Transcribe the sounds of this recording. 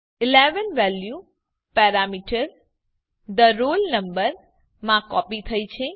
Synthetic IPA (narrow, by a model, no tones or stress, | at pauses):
ɪleʋənʋɛlju | pɛɾamiʈəɾ | d̪əɾolnəmbəɾ | mãkɔpit̪ʰəjt͡ʃʰe